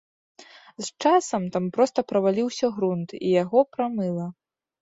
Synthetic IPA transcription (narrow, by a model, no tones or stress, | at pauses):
zt͡ʂasɐmt̪ampɾɔst̪ɐpɾɐvalʲiwsʲɐɣɾunt̪ijaɣɔpɾamɨlˠɐ